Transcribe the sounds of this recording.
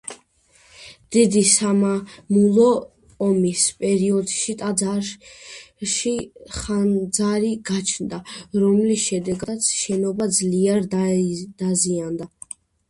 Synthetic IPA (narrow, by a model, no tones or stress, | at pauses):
d̪̥id̪isamamulˠɔː | mispʼɛɾiɔd̪ʃit̪ʼaa | ʃiχand̪zaɾiɡat͡ʃʰnd̪aɾɔmlisʃɛd̪ɛɡat̪sʰʃɛnɔbad̪zliaɾd̪d̪̥aziand̪a